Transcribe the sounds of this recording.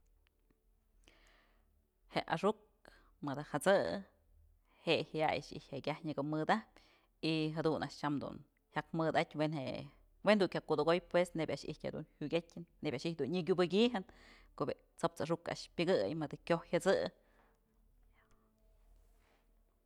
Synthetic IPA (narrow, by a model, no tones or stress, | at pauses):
heʔaʂuk̚ | mɨd̪ahat͡sɨ̰ | heʔhaja̰ja̰ʂḭhʲhekʲahɲɨɡomɨd̪ahp̚ʲ | iɦad̪unʔa̰ʔʂt͡ʃamd̪ṵn | hakmɨd̪at̪ʲwenhe | wend̪uʔkʲakːud̪oɡojpwesnebʲaʔʂḭhtʲhḛd̪ṵnhuɡʲetʲːɨnːebʲaʔʃiht̚ʲd̪unɲɨkʲubɨkʲiɦɨn | koʔbe | t͡sop̚t͡saʂuka̰ʔʂpʲɨɡɨjmɨd̪akʲohhat͡sɨ